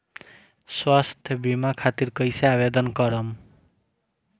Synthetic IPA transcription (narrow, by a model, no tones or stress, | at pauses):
swast̪ʰjʌbimakʰat̪irkʌjseabed̪ʌnkʌɾʌm